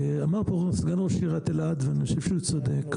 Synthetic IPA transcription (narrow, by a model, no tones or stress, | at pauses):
amaʁpoʁosɡanʁoʃiʁat̪elad̪veanoʃev̥ʃeut͡sad̪ek